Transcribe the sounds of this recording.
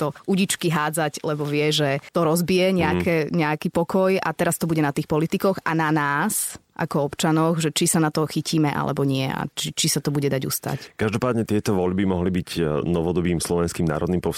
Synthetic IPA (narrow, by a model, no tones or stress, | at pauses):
t̪ɔʔuɟit͡ʃkiɦaːd͡zaclɛbɔʋɪɛʒɛt̪ɔɾɔzbijɛɲɛakɛɲɛakipɔkɔja̰t̪ɛɾast̪ɔbuɟɛnat̪iːxpɔlit̪ikɔɣa̰nanaːsʔa̰kɔɔpt͡ʃanɔɣʒɛt͡ʃisanat̪ɔxiciːmɛʔa̰lʔɛ̰bɔɲɪɛ̰a̰t͡ʃit͡ʃisat̪ɔbuɟɛd̪aɟṵst̪a̰ckaʒd̪ɔpaːd̪ɲɛt̪ɪɛt̪ɔʋɔʎbimɔɦlibicnɔʋɔd̪ɔbiːmslɔʋɛnskiːmna̰ːɾɔd̪niːmpɔ